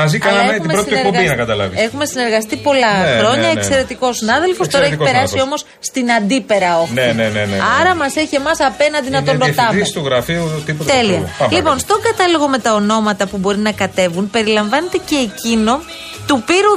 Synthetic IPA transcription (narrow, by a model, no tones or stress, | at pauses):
mɐziɐnɐetmimebɾot̪iipoinɐkɐt̪ɐlɐ̰vḭe̞xume̞sine̞ɾɣɐst̪ipo̞lɐxɾo̞ɲɐekse̞ɾe̞t̪iko̞sinɐðe̞lfost̪o̞ɾɐeipeɾɐsio̞mo̞s | st̪inɐnd̪ipe̞ɾɐoneneneneɐɾɐmɐse̞çie̞mɐsɐpe̞nɐnd̪inɐt̪onɾot̪ɐisst̪uɣɾɐfiut̪ipot̪t̪eliɐɐmlipo̞nst̪o̞ɡɐt̪ɐlo̞ɣo̞me̞t̪ɐono̞mɐt̪ɐpubo̞ɾinɐkɐt̪e̞vunpe̞ɾilɐɱvɐne̞t̪e̞ce̞ːcino̞ | t̪upiɾu